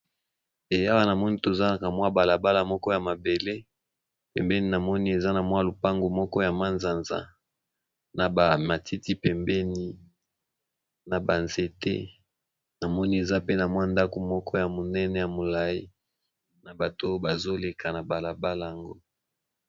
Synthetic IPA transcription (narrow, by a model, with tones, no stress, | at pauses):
e˨ja˦wa˦na˨mɔ˦ni˦to˨za˦na˨ka˨mwa˦ba˨la˨ba˦la˨mɔ˦kɔ˦ja˨ma˨be˨le˦ | pɛ˨mbɛ˦ni˦na˨mɔ˦ni˦e˨za˦na˨mwa˦lo˨pa˦ŋɡo˨mɔ˦kɔ˦ja˨ma˦nza˨nza̰˦ | na˨ba˨ma˨ti˦ti˦pɛ˨mbɛ˦ni˦ | na˨ba˨nze˨tḛ˦ | na˨mɔ˦ni˦e˨za˦pe˦na˨mwa˦nda˦ko˨mɔ˦kʰɔ˦ja˨mo˨nɛ˦nɛ˨ja˨mo˨la˨ji˦ | na˨ba˨to˦ba˨zo˦le˨kʰa˨na˨ba˨la˨ba˦la˨a˨ŋɡo˦